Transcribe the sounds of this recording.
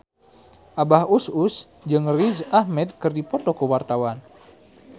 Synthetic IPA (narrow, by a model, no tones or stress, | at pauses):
ʔabahusus | d͡ʒɨŋrizahmɛd̪̚kɨrdipɔt̪ɔkəwart̪awan